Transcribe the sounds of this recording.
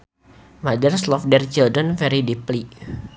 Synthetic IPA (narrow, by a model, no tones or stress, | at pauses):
madərslɔfdɛrt͡ʃildənfɛɾidipli